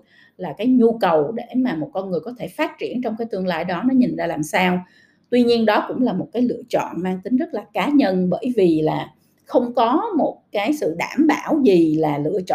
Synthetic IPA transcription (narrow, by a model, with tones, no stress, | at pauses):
laː˨˩kaː˨˦jɲu˧kə˨˩wɗe˧˩maː˨˩mo˨˩t̚kɔ˧nŋɨ˨˩əjkɔ˨˦t̪ʰe˧˩faː˦˥t̚t͡ɕi˧˩ənt͡ɕɔ˧wŋ͡mkaː˨˦jt̪ɨ˧əŋla̰ː˧˨jɗɔ˨˦nɔ˨˦ɲi˨˩ŋzaː˧laː˨˩msaː˧w | t̪wi˧ɲi˧ənɗɔ˨˦kʊ̰˧˥ŋ͡mlaː˨˩mo˨˩t̚kaː˨˦jlɨ̰˧ət͡ɕɔ̰˧˨nmaː˧ŋt̪ï˨˦ŋ̟zə˦˥t̚laː˨˩kaː˨˦ɲə˧nɓəː˧˩jvi˨˩laː˨˩ | xə˧wŋ͡mkɔ˨˦mo˨˩t̚kaː˨˦jsɨ̰˧˨ɗaː˧˩mɓaː˧˩wzi˨˩laː˨˩lɨ̰˧˥ət͡ɕɔ̰˧˨